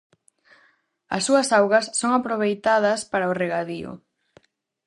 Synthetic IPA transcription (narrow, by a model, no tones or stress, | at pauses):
ɐ̰sːuɐsawɣɐsːoŋapɾoβ̞ejt̪að̞ɐspaɾaoreɣaðiʊ̰